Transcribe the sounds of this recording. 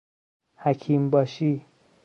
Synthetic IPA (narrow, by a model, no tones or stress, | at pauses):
hækʰiːmbɒːʃi